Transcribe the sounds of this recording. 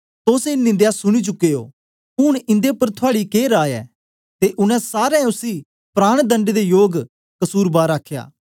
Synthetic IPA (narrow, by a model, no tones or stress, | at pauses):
t̪oːseɪnːɪ̃nd̪ejasʊɽ̃it͡ʃʊkːeːo̰ː | ʊɽ̃ɪ̃nd̪epɐɾt̪ʰʊaːɽikeːɾaːjɛ̰ː | t̪eʔʊnɛ̃saːɾɛ̃ʊsi | pɾaːɽ̃d̪ə̃ɳɖed̪ejoːɡ | kɐsuːɾbaːɾaːkʰja̰ː